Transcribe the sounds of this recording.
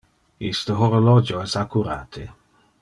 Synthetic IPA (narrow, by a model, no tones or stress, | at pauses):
ist̪əɦoɾolod͡ʒoɛsakːuɾa̰ːt̪ʰe